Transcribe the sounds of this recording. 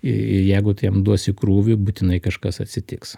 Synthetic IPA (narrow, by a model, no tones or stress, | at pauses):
ɪɪjɛɪɡʊt̪ɐɪjɛmd̪uɔsʲɪkɾuːʋʲʊbut̪ʲɪnɐɪkɐʃkɐsɐt̪ʲsʲɪt̪ʲɪks